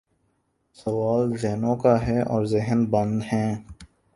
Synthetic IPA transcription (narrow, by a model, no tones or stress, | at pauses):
sɐwaːlzeɦnõkaɦɛʔɔːɾzɪɦnbɐ̃nd̪hɛ̃ː